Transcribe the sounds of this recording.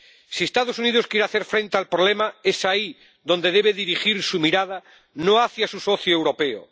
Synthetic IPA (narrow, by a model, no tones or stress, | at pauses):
siest̪aðosuniðoskjeɾeaθe̞ɾfɾe̞nt̪ealpɾole̞mae̞sai | ðo̞nd̪eðe̞βeðiɾixiɾsumiɾað̞a | noaθjasuso̞θjoewɾo̞pe̞o̰